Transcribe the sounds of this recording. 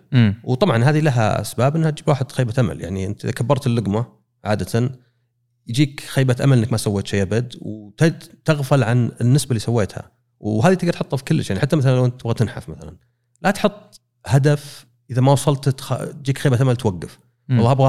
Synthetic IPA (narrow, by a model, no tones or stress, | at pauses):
wt̪ˤɑbʕɑnɦaːðilaɦa̰ʔa̰sbaːbʔɪnːhat̪̚d͡ʒiːbwaːħɪd̪xeːbaʔama̰lja̰ʕniʔɪ̰nt̪ʔɪ̰ðakʰabːɑɾˤt̪ɪlːʊɡma | ʕaːd̪at̪ʰan | jd͡ʒiːkxeːbaʔa̰malɪnːakmasawːeːt̪ʃeːʔabad̪wt̪d̪t̪aɣfʊlʕanɪnːɪsbalːiːsawːeːt̪ha̰ | wɦaːðit̪ɪɡt̪ħɑt̪ˤːafi̥kʊlːəʃjaʕniħat̪ːamaθalalawɪnt̪ːɪbɣat̪ɪnħa̰fmaθala̰n | lat̪ħʊt̪ˤː | had̪af | ʔɪðamawɑsˤɑlt̪xa̰t̪̚d͡ʒiːkxeːbatʔamalt̪waɡːaf | ɑlˤːɑːʔabɣa